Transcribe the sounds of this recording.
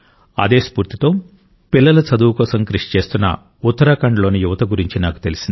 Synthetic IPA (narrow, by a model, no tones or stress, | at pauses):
ɐ̰d̪e̞ːspuːɾt̪it̪o̞ː | pilːɐlɐt͡ʃɐd̪uːkɔːsɐmkɾiʂi̥t͡ʃe̞ːst̪unːɐ̰ | ut̪ːɐɾɐkɐɳɖɐlo̞ːnijuʋɐt̪ɐɡuɾiɲt͡ʃinaːku̥t̪e̞lisind̪i